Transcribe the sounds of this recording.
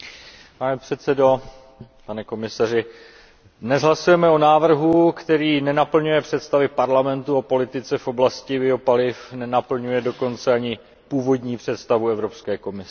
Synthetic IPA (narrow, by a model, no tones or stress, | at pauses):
panɛpr̝̥ɛt̪sɛdo̞ | panɛko̞mɪsarɪ | dnɛzɦlasujɛmɛo̞naːvr̩ɦukt̪ɛɾiːnɛnapl̩ɲujɛpr̝̥ɛt̪st̪avɪpaɾlamɛnt̪uapo̞lɪt̪ɪt͡sɛfʔo̞blascɪbɪo̞palɪfnɛnapl̩ɲujɛdo̞ko̞nt͡sɛaɲɪ | puːvo̞dɲiːpr̥ɛt̪st̪avuɛvɾo̞pskɛːko̞mɪs